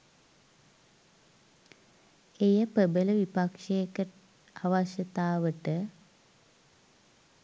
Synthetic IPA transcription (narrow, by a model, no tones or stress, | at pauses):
ejəpəbələʋipakʂeːkːə | aʋaʃət̪aːʋəʈə